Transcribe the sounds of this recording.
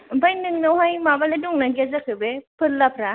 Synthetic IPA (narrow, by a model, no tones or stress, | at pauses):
bajnɯŋnɯwɦajmabaleduŋnaɡezakʰɯbepʰɯlːapʰɾa